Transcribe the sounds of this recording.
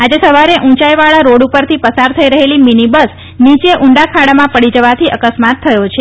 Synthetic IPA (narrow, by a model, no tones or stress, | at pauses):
ad͡ʒesəʋaɾeʔũt͡ʃaiʋaɭaɾoɽupəɾt̪ʰipəsaɾt̪ʰəiɾəɦeliminibəs | nit͡ʃeʔuɳɖakʰaɽamãpəɽid͡ʒəʋat̪ʰiʔəkəsmat̪ʰːəjot͡ʃʰe